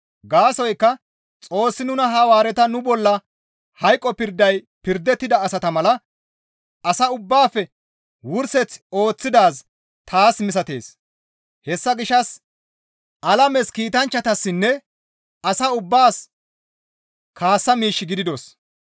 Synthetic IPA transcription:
ɡaːsɔjkːɐ | t͡sʼo̞ːsːɪnʊnɐɦɐwaːɾɛt̪ɐnʊbɔlːɐ | hɐjkʼːɔpɪɾd̪ɐj | pɪɾd̪ːɛt̪ːɪd̪ɐːsɐt̪ɐmɐlɐ | ʔɐsɐʊbːaːfːɛ | wʊɾsɛt͡so̞ːt͡sːɪd̪aːs | t̪ʰaːsmɪs̬ɐt̪e̞̰ːs | hɛsːɐɡɪʃːɐs | ʔɐlɐmɛskiːt̪ɐnt͡ʃːɐt̪ɐsːɪnːɛ | ɐsɐʊbːaːs | kʰaːsːɐmiːʃːɪɡɪd̪ɪd̪ɔs

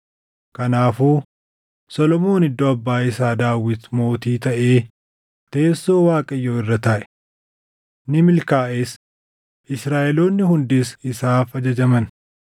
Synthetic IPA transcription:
kɐnaːfuː | sɔlɔmo̞ːnɪd̪ːoɐbːaːɪsaːd̪aːwːɪt̪mo̞ːt̪iːt̪ɐʔe̞ː | t̪e̞ːso̞ːwaːkʼɐjːoːɪrːɐt̪ɐʔɛ̥ | nɪmɪlkaːʔeːs | ʔɪsɾaːʔɛlo̞ːnːɪhʊnd̪ɪsɪsaːfɐd͡ʒɐd͡ʒɐmɐn

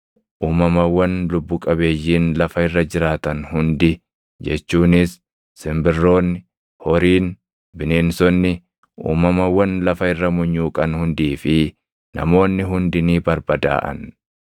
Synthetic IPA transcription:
ʔuːmɐmɐwːɐnlʊbːʊkʼɐβeːjːiːnlɐfɐɪrːɐd͡ʒɪɾaːt̪ɐnhʊnd̪ɪ | d͡ʒɛt͡ʃːuːnɪsː | ɪmbɪrːo̞ːnːɪ | hɔɾiːn | bɪneːnsɔnːɪ | ʔṵːmɐmɐwːɐnlɐfɐɪrːɐmʊɲːuːkʼɐnhʊnd̪iːfɪ | nɐ̰mo̞ːnːɪɦʊnd̪ɪniːbɐɾbɐd̪a̰ːʔɐ̰n

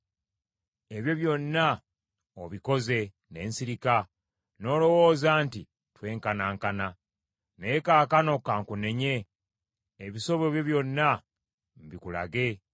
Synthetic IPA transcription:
e̞βjo̞βjo̞nːa | oβiko̞ze̞ | ne̞ːnsiɾika | no̞ːlo̞wo̞ːzaːnti | twe̞ːŋkanaːŋkana | neekaːkano̞kaːŋkune̞ɲe̞ | eβiso̞βo̞βjo̞βjo̞nːa | m̩βikula̰ɡe̞

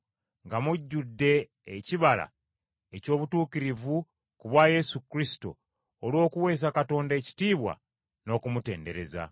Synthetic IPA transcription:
ŋɡamuɟːudːe̞ː | ciβala̰ | eco̞ːβutuːkiɾivu | kuβwaːje̞sukɾisi̥to̰ː | lwo̞ːkuwe̞ːs̬akato̞ːndaeci̥tiːβwa̰ | no̞ːkumute̞ːnde̞ɾe̞za̰

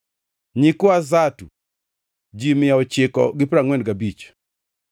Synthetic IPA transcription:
ɲikʊazatu | d͡ʒimɪjaɔt͡ʃɪkɔ̰ɡɪpɾaŋwɛndɡabit͡ʃ

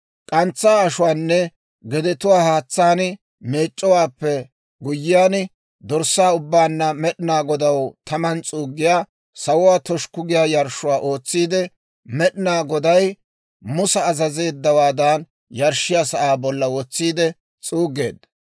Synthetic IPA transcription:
kʼɐnt͡sːaːɐʃʊwaːnːɛ | ɡɛd̪ɛt̪ʊwaːhaːt͡sːaːn | me̞ːt͡ʃʼːɔwaːpːɛ | ɡʊjːɪjaːn | d̪ɔɾsːaːʊbːaːnːɐmɛɗɪnaːɡɔd̪ɐwt̪ɐmɐnt͡sʼuːɡːɪjaː | sɐwʊwaːt̪ɔʃkʊɡɪjaːjɐɾʃʊwaːʔo̞ːt͡sːiːd̪ɛ | mɛɗɪnaːɡɔd̪ɐj | mʊsɐːzɐzeːd̪ːɐwaːd̪aːn | jɐɾʃɪjasɐʔaːbɔlːɐwɔt͡sːiːd̪ɛ | t͡sʼuːɡe̞̰ːd̪ɐ

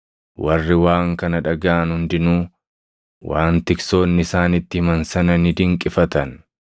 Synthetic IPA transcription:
wɐrːɪwaːŋkɐnɐᶑɐɡaːnhʊnd̪ɪnuː | waːnt̪ɪkso̞ːnːɪsaːnɪt̪ːɪhɪmɐnsɐnɐnɪd̪ɪŋkʼɪfɐt̪ɐn

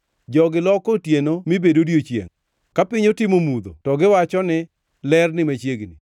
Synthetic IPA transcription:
d͡ʒɔɡɪlɔkotjenomibedodjot͡ʃjḛŋ | kapɪɲotɪmomud̪o̰tɔɡɪwat͡ʃɔnɪ | lɛrnɪmet͡ʃjeɡni

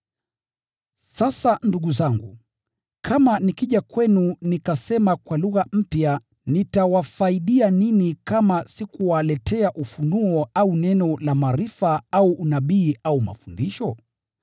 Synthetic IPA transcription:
sasanduɠuzaŋɡṵ | kʰamanikiʄakwɛnunikasɛmakwaluɣam̩pja | nitawafaiɗianinikamasikuwalɛtʰɛaʔufunuɔaunɛnɔlamaɾifaauʔːnaɓiːauma̰fundiʃɔ

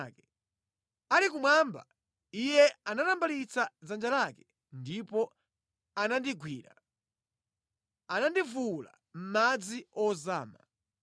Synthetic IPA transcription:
kɛ | alikumwamba̰ | ijɛanatambalit͡sad͡zand͡ʒalakɛ | ndipɔ | anandiɡwiːɾa̰ | anandivula̰ | m̩mad͡ziɔzaːma̰

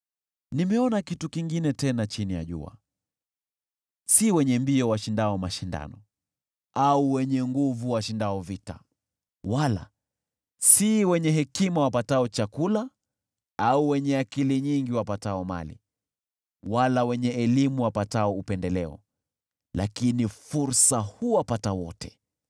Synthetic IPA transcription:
nimɛɔnakitukiŋɡinɛtɛnat͡ʃinija̰ʄṵa̰ | siwɛɲɛmbiɔwaʃindaɔmaʃinda̰nɔ | auwɛɲɛŋɡuvuwaʃindaɔvita̰ | wala̰ | siwɛɲɛɦɛkimawapataɔt͡ʃakula | auwɛɲɛakiliɲiŋɡiwapataɔma̰lḭ | walawɛɲɛɛlimuwapataɔupɛndɛlɛɔ̰ | la̰kinifuɾsahuwapatawɔtɛ̥

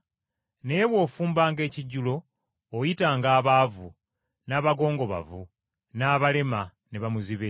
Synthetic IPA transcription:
ne̞jeβwo̞ːfuːmbaːŋɡe̞ːciɟːulo̞ː | jitaːŋɡaːβaːvṵ | naːβaɡo̞ːŋɡo̞βa̰vṵ | naːβale̞ma | ne̞βamuziβe

